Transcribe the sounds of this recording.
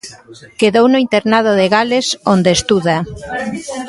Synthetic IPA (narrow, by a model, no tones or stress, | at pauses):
keðownʊint̪eɾnað̞oðeɣalesond̪eːst̪uða